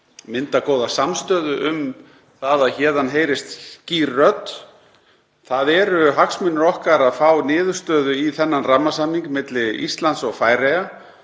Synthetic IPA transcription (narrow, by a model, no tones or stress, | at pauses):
mɪnt̪akoːwðasamst̪œːðʏʔʏm | θaðaçɛːðanɦeːjɾɪst̪cirœt̪ | θaðɛɾʏɦaksmɪnːʏɾɔhkaɾaðfaːwnɪːðʏɾ̥st̪œːðʏiθɛnːanramːasamːiŋkmɪt̪lɪḭst̪lant̪sɔɣfaːjɾeja